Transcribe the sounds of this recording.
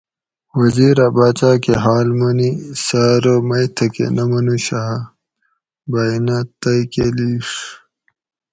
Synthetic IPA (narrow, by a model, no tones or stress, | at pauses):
wɐziːɾabaːt͡ɕaːkeɦaːlmɐnisaːɾomɐjt̪ʰɐkḛnɐmɐnuɕaː | bainat̪ɐjkeliʂ